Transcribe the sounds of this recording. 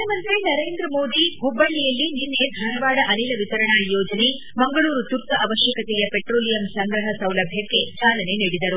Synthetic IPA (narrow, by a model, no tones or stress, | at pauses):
ɐmɐnt̪enɐɾe̞ːnd̪ɾɐmo̞ːd̪iɦubːɐɭːijɐlːininːed̪ʱɐnɐʋaːɽɐʔɐniːlɐʋit̪ɐɾɐɳajɔːd͡ʒɐne̞ | mɐŋɡɐɭuːɾut̪uɾt̪ɐʔɐʋɐʃjɐkɐt̪ɛjɐpeʈɾoːlijɐmsɐŋɡɾɐɦɐsɐwlɐbʱjɐkːe̞t͡ʃaːlɐne̞niːɽid̪ɐɾu